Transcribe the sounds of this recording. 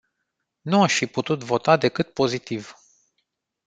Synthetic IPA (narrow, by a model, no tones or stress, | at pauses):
nuaʃfiput̪ut̪vo̞t̪ad̪e̞kɨt̪̚po̞zit̪iv̥